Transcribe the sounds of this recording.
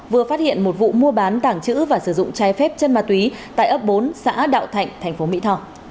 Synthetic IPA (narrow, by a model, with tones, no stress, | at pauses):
vɨ˨˩əfaː˦˥t̚hḭ˧˨ənmo˨˩t̚vṵ˧˨mu˧əɓaː˨˦nt̪aː˧˩ŋt͡ɕɨ̰˧˥vaː˨˩sɨ˧˩zʊ̰˧˨ŋ͡mt͡ɕaː˨˦jfɛ˦˥p̚t͡ɕə˧nmaː˨˩t̪wi˨˦t̪a̰ː˧˨jʔəː˦˥p̚ɓo˨˦nsa̰ː˧˥ɗa̰ː˧˨wt̪ʰa˨˩jŋ̟t̪ʰɛ˨˩ŋ̟fo˨˦mḭ˧˥t̪ʰɔ˧˩